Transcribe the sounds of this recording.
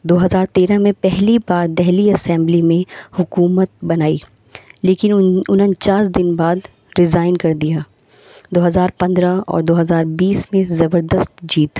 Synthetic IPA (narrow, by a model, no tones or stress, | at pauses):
d̪oːɦɐzaːɾt̪eːɾamẽpɛɦlibaːɾd̪ɛɦliɐsɛ̃ːmblimẽhʊkuːmət̪̚bɐnaːi | leːkɪnʊnɦənt͡ʃaːsd̪ɪnbaːd̪ | ɾɪzaːɪnkɐɾd̪ijaː | d̪oːɦɐzaːɾpɐ̃nd̪ɾaɔ̰ːɾd̪oːɦɐzaːɾbiːsmẽzɐbəɾd̪əst̪d͡ʒiːt̪